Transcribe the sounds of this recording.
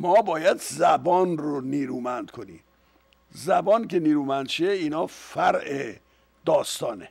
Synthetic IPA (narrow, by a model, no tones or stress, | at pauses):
mɒːbɒːjæd̪zæbɒːnroniːɾuːmænd̪̥kʰonḭːm | zæbɒːnkeniːɾuːmænd̪t͡ʃeiːnɒːfæɾʔe | d̪̥ɒːst̪ɒːne